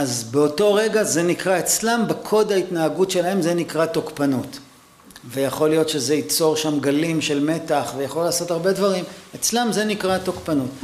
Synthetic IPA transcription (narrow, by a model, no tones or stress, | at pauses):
ʔazbeo̞to̞ʁe̞ɡaze̞nikʁae̞t͡slambekʰo̞d̪aitnaːɡutʃe̞lahe̞mze̞nikʁatokpanut | vejaχo̞lijo̞tʃe̞zeit͡so̞ʁʃamɡalimʃe̞lme̞taχvejaχolaːso̞taʁbe̞dvaʁimet͡slamze̞nikʁatokpanut